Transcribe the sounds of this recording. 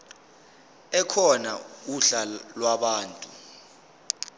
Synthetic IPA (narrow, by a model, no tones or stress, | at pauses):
ɛkʰɔna̰uɬalwaɓaːntʼu